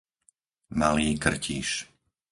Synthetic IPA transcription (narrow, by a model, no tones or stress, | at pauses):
maliːkr̩cʰiːʃ